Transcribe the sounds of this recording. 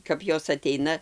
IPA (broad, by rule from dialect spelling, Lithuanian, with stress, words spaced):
kɐp ˈjoːs ɐˈtʲɛɪnɐ